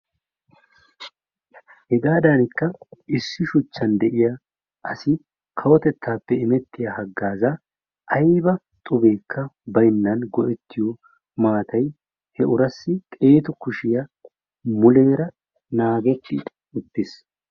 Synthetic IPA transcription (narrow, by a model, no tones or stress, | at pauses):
hɛɡaːd̪anɪkːɐɪsːɪʃʊt͡ʃːɐnd̪ɛʔɪjɐ | ʔɐsɪ | kʰɐwɔt̪ɛt̪ʰːaːpːɛɪmɛt̪ːɪjɐhɐɡːaːzɐ | ʔɐjbɐ | t̪ʼʊbe̞ːkʰːɐbɐjnːɐnɡɔʔɛt̪ːɪjɔ | maːt̪ʰɐj | hɛʔʊɾɐsːɪt̪ʼe̞ːt̪ʊkʊʃɪjɐ | mʊle̞ːɾɐ | naːɡɛt̪ːɪ | ʊt̪ːɪs